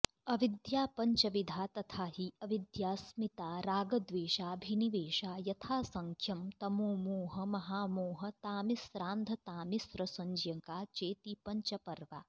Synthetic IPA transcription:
ɐʋid̪jaːpɐɲt͡ʃɐʋid̪ʱaːt̪ɐt̪ʰaːɦiɐʋid̪jaːsmit̪aːɾaːɡɐd̪ʋeːʃaːbʱiniʋeːʃaːjɐt̪ʰaːsɐŋkʰjɐmt̪ɐmoːmuːɦɐmɐɦaːmoːɦɐt̪aːmisɾaːnd̪ʱɐt̪aːmisɾɐsɐɲd͡ʒjɐŋkaːt͡ʃeːt̪ipɐɲt͡ʃɐpɐɾʋaː

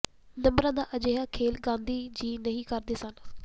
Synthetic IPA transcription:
nəmbɾãːd̪aːʔəd͡ʒeːɦaːkʰeːlɡãːnd̪iːd͡ʒiːnəɦĩːkəɾd̪eːsən

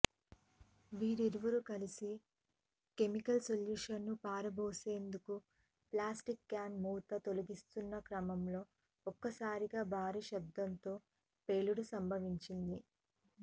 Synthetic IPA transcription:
ʋiːɾiɾuʋuɾukɐlisi | ke̞mikɐlsoljuːʂɐnːupaːɾɐboːse̞ːnd̪uku | plaːsʈikːaːnmuːt̪ɐt̪oluɡist̪unːɐkɾɐmɐmlo̞ː | ɔkːɐsaːɾiɡaːbʱaːɾiʃɐb̚d̪ːɐnt̪o̞ː | pe̞ːluɽusɐmbʱɐʋiɲt͡ʃind̪i

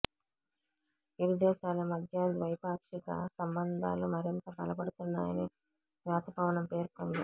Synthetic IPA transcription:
iɾud̪ɛːʃaːlɐmɐd̪ʱjɐd̪ʋɐjpaːkʂiɡɐ̰sɐmbɐnd̪ʱa̰ːlumɐɾint̪ɐbɐlɐpɐɽut̪unːa̰ːjɐni | sʋaːt̪ɐpɐʋɐnɐmpe̞ːɾkoːnd̪i

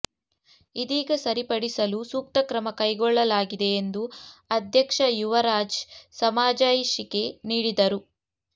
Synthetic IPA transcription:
id̪iːɡɐsɐɾipɐɽisɐlusuːk̚t̪ɐkɾɐmɐkɐjɡɔɭːɐlaːɡid̪e̞ːnd̪uɐd̪ʱjɐkʂɐjuʋɐɾaːd͡ʒsɐmaːd͡ʒaːjiʃike̞niːɽid̪ɐɾu

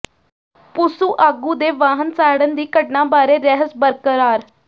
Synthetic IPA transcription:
pʊsuːʔaːɡuːd̪eːʋaːɦənsaːɽənd̪iːkəʈnãːbaːɾeːɾɛɦəsbəɾkəɾaːɾ

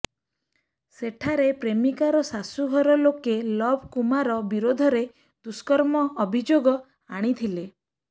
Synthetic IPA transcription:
seʈʰaɾepɾemikaɾɔsasuɦɔɾɔlokelɔbʱkumaɾɔbiɾod̪ʱɔɾe | d̪uskɔɾmɔːbʱid͡ʒoɡɔ | aɽ̃it̪ʰile

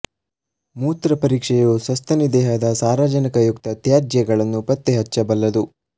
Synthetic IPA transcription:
muːt̪ɾɐpɐɾiːkʂɛjusɐst̪ɐnid̪ɛːɦɐd̪ɐsaːɾaːd͡ʒɐnikɐjukt̪ɐt̪jaːd͡ʒjɐɡɐɭɐnːupɐt̪ːeɦɐt͡ʃːɐbɐlːɐd̪u

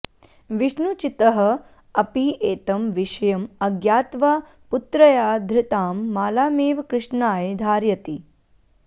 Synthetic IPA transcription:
ʋiʂnut͡ʃit̪ɐɦɐ̆ | ɐpieːt̪ɐmʋiʃɐjɐmɐɡjaːt̪ʋaː | put̪ɾɐjaːd̪ʱɾɪt̪aːmːaːlaːmeːʋkɾɪʂɳaːjd̪ʱaːɾjɐt̪i

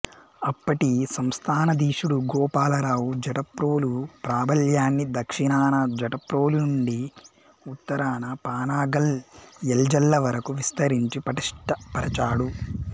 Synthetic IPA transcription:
ɐpːɐʈisɐmst̪ʰaːnɐd̪iːʂuɽuɡɔːpaːlɐɾaːwud͡ʒɐʈɐpɾoːlupɾaːbɐljaːnːid̪ɐkʂinaːnɐd͡ʒɐʈɐpɾoːlunuɳɖi | ut̪ːɐɾaːnɐpaːnaːɡɐlɛld͡ʒɐlːɐʋɐɾɐkuʋist̪ɐɾiɲt͡ʃipɐʈiʂʈɐpɐɾɐt͡ʃaːɽu

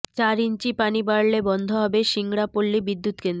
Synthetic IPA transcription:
t͡ɕaɾint͡ɕipanibaɾlebɔnd̪ʱoɦɔbeʃiŋɽapolːibid̪ːut̪kend̪ɾo

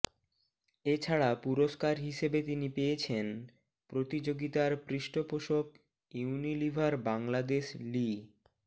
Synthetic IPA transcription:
et͡ɕʰaɽapuɾoʃkaɾɦiʃebet̪inipejet͡ɕʰen | pɾot̪id͡ʑoɡit̪aɾpɾiʃʈopoʃok | iunilibʱaɾbaŋlad̪eʃli

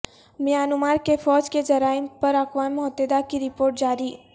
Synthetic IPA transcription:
mɪjaːnʊmaːɾkefɔːd͡ʒked͡ʒɐɾaːɪmpɐɾɐkʋaːnːʊɦət̪ːed̪akiɾɪpoːɾʈ̚d͡ʒaːɾiː

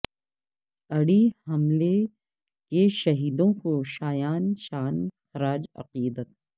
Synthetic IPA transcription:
ɐɽihɐmle | keʃɐɦiːd̪õkoʃaːjaːnʃaːnxɐɾaːd͡ʒɐ̰qiːd̪ət̪̚

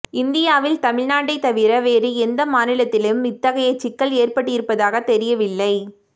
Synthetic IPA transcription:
ɪnd̪ɪjaːʋɪlt̪ɐmɪɻnaːʈːɐɪt̪ːɐʋɪɾɐʋeːɾɯɛnd̪ɐmaːnɪlɐt̪ːɪlejɯmɪt̪ːɐɣɐjɐɪt͡ʃːɪkːɐɭeːrpɐʈːɯjɪɾɯpːɐðaːɣɐt̪ɛɾɪjɐʋɪlːɐɪ

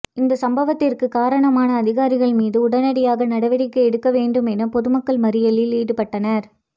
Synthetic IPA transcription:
ɪnd̪ɐsɐmbɐʋɐt̪ːɪrkɯkaːɾɐɳɐmaːnɐːðɪɣaːɾɪɣɐɭmiːðɯʊɽɐnɐɽɪjaːɣɐnɐɽɐʋɐɽɪkːɐɛɽɯkːɐʋeːɳɖɯmɛnɐpɔðɯmɐkːɐɭmɐɾɪjɐlɪliːɽɯpɐʈːɐnɐɾ

